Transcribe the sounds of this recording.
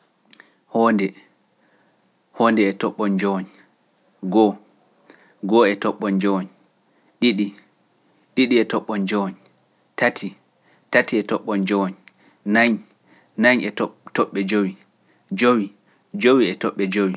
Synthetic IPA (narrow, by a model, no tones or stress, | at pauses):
hɔndɛ | hɔːndɛɛtɔɓːɔnd͡ʒɔwɔn | ɡɔ | ɡɔɛtɔɓːɔnd͡ʒɔwɔn | ɗiɗi | ɗiɗiɛtɔɓːɔnd͡ʒɔwɔn | tatʰi | tatiɛtɔɓːɔnd͡ʒɔwɔn | naɲ | naɲɛttɔɓːɛd͡ʒowi | d͡ʒowi | d͡ʒowiɛtɔɓːɛd͡ʒowi